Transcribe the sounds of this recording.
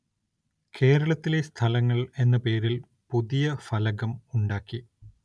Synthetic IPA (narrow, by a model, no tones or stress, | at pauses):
kʰe̞ːɾɐɭɐt̪ːile̞st̪ʰɐlɐŋːɐɭe̞nːɐpe̞ːɾil | puðijɐfɐlɐɣɐmuɳɖaːkːi